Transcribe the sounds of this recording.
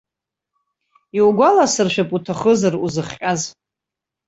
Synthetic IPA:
iwɡʷalasɨrʃᶣapʼutʰaχəzaruzɨχʲqʲʼaz

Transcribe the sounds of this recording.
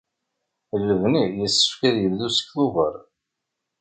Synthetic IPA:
lːəvnijəsːə̥fkæðjəvðusə̥kθuvə̰ɾˤ

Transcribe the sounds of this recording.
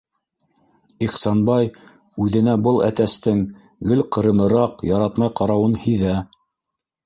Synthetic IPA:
iχsɑnbɑj | ʉðɘ̆næbɤlˠæt̪æst̪ɘŋ | ɡɘlqɤ̆ɾɤ̆nɤ̆ɾɑqjɑɾɑt̪mɑjqɑɾɑwɤnhiðæ

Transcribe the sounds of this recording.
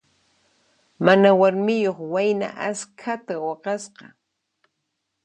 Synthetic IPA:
manawaɾmɪjoχwajna̰ʔaskʰat̪awɑqɑsqɑ

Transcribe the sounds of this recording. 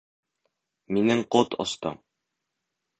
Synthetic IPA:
minɘŋqot̪ŏ̰st̪ɤ̰m

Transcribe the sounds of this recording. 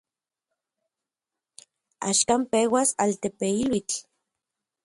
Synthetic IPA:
a̰ʃkampewasalt̪epeilwit͡ɬ

